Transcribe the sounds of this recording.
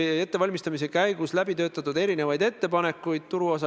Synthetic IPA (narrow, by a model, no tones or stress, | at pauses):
e̞t̪ːe̞vɑlʲmist̪ɑmis̬e̞kæjɡ̥uslæbit̪ø̞ːt̪ːˑɑt̪ːˑud̪e̞ɾinevɑjd̪e̞t̪ːe̞pɑne̞kːˑujd̪̥̚t̪uɾuo̞sɑ